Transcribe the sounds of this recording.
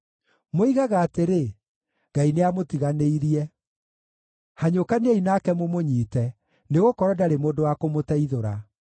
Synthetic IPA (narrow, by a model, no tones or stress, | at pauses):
moiɣaɣaːteɾe | ɡ̥aineamotiɣaneiɾiɛ | haɲokaneɛinaːkɛmomoɲiːtɛ | neɣokɔɾɔdaɾemoːndowakomotɛiðoɾa